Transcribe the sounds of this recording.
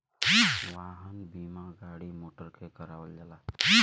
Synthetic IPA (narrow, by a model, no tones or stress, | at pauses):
waɦənbimaɡaɽimoʈəɾkʰekəɾawəld͡ʒala